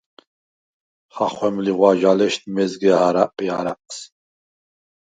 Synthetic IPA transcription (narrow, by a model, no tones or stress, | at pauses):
χaχʷwɛmliʁwad͡ʒalɛʃt̪mɛzɡɛahaɾaʔpʼia̰ɾap̚ʼs